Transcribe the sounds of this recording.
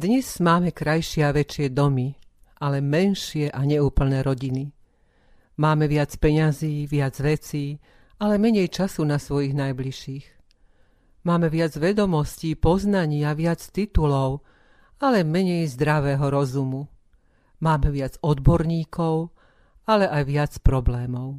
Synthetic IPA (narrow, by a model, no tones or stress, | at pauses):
d̪ɲɛz̥maːmɛkɾajʃɪɛaʋɛt͡ʃɪɛd̪ɔmiʔalɛmɛnʃɪɛʔaɲɛuːpl̩nɛːɾɔɟini | maːmɛʋɪat͡spɛɲaziːʋɪad͡zʋɛt͡siː | alɛmɛɲɛjt͡ʃasunasʋɔjiɣnajbliʃiːx | maːmɛʋɪad͡zʋɛd̪ɔmɔsciːpɔznaɲɪaʋɪat͡st̪it̪ulɔʊ | alɛmɛɲɛjzd̪ɾaʋɛːɦɔɾɔzumu | maːmɛʋɪad͡zɔd̪bɔɾɲiːkɔʊ | alɛʔajʋɪat͡spɾɔblɛːmɔʊ